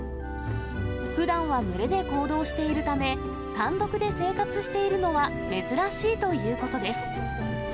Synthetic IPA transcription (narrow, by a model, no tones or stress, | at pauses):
ɸɯ̟d̪ãɰ̃βamɯ̟ɾe̞d̪e̞ko̞ːd̪o̞ːɕi̥t̪e̞iɾɯ̟t̪ame̞ | kãnd̪o̞kɯ̟d̪e̞se̞ːkat͡sɨɕi̥t̪e̞iɾɯ̟no̞βa | me̞zɨɾaɕiːt̪o̞jɯ̟ːko̞t̪o̞d̪e̞sɨ̥